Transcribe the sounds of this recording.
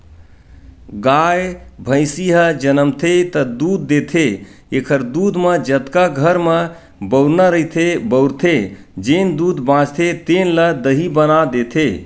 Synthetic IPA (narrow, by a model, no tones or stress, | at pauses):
ɡaːjbʱə̃ɪsiɦəd͡ʒənəmt̪ʰet̪əd̪uːd̪ːet̪ʰeekʰəɾd̪uːd̪məd͡ʒət̪kaɡʱəɾmə | bəʊɾnəɾəɦit̪ʰebəʊɾt̪ʰe | d͡ʒend̪uːd̪bãːd͡ʒt̪ʰet̪eːnləd̪əɦibənad̪eːt̪ʰe